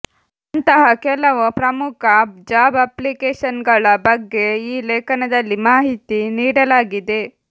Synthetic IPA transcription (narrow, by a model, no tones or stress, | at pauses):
ɐnt̪ɐɦɐkɛlɐʋɐpɾɐmukʰɐd͡ʒaːbɐplikeːʃɐnɡɐɭɐbɐɡːe̞iːleːkɐnɐd̪ɐlːimaːɦit̪iniːɽɐlaːɡid̪e̞